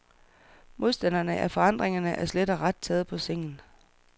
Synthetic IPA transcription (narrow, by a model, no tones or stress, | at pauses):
mo̝ð̞ˠsd̥ænɐnəʔæfɒ̽ɑ̈n̰d̥ʁeŋɐnəʔæɐsled̥ɐʁɑ̈d̥̚t͡sʰɛːð̞̩ˠpʰɒ̽seŋ̰n̩